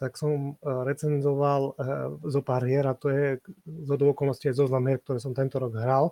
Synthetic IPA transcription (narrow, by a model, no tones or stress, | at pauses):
t̪aksɔmɾɛt͡sɛnzɔʋalzɔpaɾɦɪɛɾat̪ɔjɛzɦɔd̪uɔkɔlnɔsciajzɔznamɦiɛɾk̚t̪ɔɾɛːsɔmt̪ɛnt̪ɔɾɔɡɦɾal